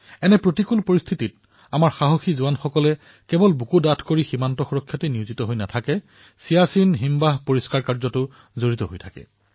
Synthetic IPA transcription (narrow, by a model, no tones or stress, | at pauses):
ɛnɛpɹotikulpoɹist̪ʰitit̚ | amaɹxaɦoxizuanxɔkɔlɛ | kɛbɔlbukudatʰkoɹiximantɔxuɹɔkʰːjateniuzitɔɦojnatʰakɛ | sijasinɦimbaɦpoɹiskaɹkaɹzɔtʊ | zoɹitɔɦojtʰakɛ̰